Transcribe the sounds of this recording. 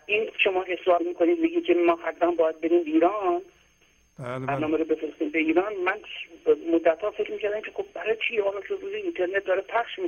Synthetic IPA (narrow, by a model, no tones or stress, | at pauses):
inʃomɒːhesɒːlmiːkʰoniːd̪meɟiːkʰʲemɒːhæd̪væmbɒːjæd̪̚beɾiːmbeiːɾɒːn | bæɾnɒːmeɾobe̞fɾest̪iːmbeiːɾɒːnmænmod̪ːæt̪ɒːfe̞kɾmiːcʰæɾd̪æmcʰe̞xob̚bæɾɒːt͡ʃʰihɒːlɒʃoɾuːzeint̪ʰeɾnet̪̚d̪ɒːɾepʰæχʃmi